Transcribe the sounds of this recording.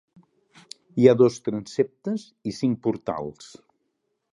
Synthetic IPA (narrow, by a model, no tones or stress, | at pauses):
iaðost̪ɾənsep̚t̪əz | isiŋk̚puɾt̪a̰lˠs